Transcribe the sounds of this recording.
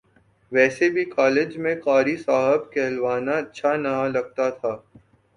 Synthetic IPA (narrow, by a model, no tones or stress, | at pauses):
ʋɛːsebʱikɔːled͡ʒmẽkaːɾisaːɦəbkɛːlʋaːnaɐtːʃʰanɐlɐɡ̚t̪at̪ʰaː